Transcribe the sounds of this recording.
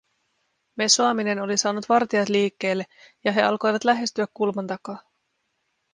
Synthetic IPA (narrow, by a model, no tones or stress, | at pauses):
me̞soɑmine̞no̞lisɑːnut̪ʋɑrt̪iɑt̪liːkːe̞ːlːejɑɦe̞ɑ̰lko̞jʋɑt̪læɦe̞st̪yækːulmɑnt̪ɑkɑː